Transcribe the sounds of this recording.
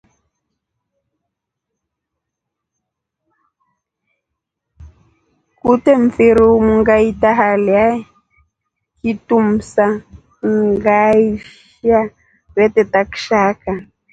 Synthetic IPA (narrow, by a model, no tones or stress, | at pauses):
kutɛɱ̩feɾomuŋɡaitaɦalia | kitum̩sa | ŋɡaiʃ | a | βɛtɛtakʃaka